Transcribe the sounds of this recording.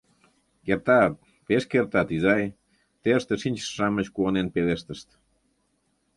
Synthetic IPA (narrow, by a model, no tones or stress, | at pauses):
kert̪ɑt̪̚ | peʃkert̪ɑt̪izɑj | t̪eəʃt̪eʃinʲt͡ɕə̥ːɑmət͡ɕkuonenpeleʃt̪əʃt̪